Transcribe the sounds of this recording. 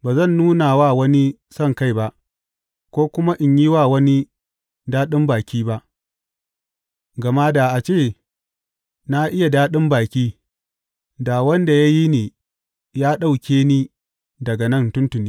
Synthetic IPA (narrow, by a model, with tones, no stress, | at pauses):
baː˨zɐ˦˨nːuː˦na˨waː˦˨wɐ˦ni˦ | sɐ˦˨ŋka˦jba˦ʔ | kʷoː˦kʷʊ˦ma˦ʔɪ˨ɲji˦waː˦˨wɐ˦ni˦ | daː˦ɗɪ˦mbaː˨kʲiː˦ba˦ʔ | ɡɐ˨ma˦da˨ʔa˨t͡ʃeː˦˨ | na˦ʔɪ˦ja˨daː˦ɗɪ˦mbaː˨kʲiː˦ | da˨wɐ˦nda˨ja˦ji˦neː˨ | jaː˦ɗa˦˨wkʲeː˦niː˦ | dɐ˨ɡa˨nɐ˦˨ntʊ˦ntʊ˨niː˦